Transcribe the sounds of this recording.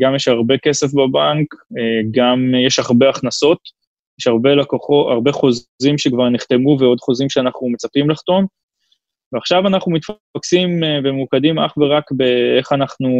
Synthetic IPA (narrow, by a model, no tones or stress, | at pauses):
ɡamjeʃhaʁbeke̞sefbabaŋkeɡamjeʃaʁbeaχnaso̞t̪ | jeʃaʁbe̞lekoχoa̰ʁbeχozimʃekvaʁniχt̪e̞muveo̞d̪χozimʃeanaχnume̞t͡sapimlaχt̪o̞n | veaχʃavanaχnumit̪f | aksimvemukadima̰χveʁakbeeχanaχnu